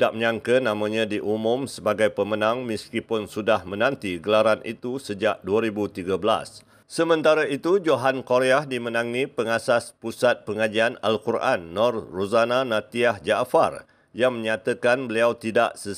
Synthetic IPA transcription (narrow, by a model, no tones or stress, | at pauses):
daʔməɲãŋkənãmãɲãdiʔumʊ̃msəbaɡajpəmənãŋmiskipʊnsudahmə̃nãnt̪iɡəlaɾanʔḭt̪usəd͡ʒaʔduaɾibut̪iɡabəla̰s | səmə̃nt̪aɾait̪ud͡ʒoɦankoɾeahdimənãŋnĩpəŋasaspusat̪̚pəŋad͡ʒiana̰lkurʔa̰nːɔrrozananãt̪iahd͡ʒaʔfa̰r | jaŋməɲat̪əkanbəliawt̪ida̰ʔsə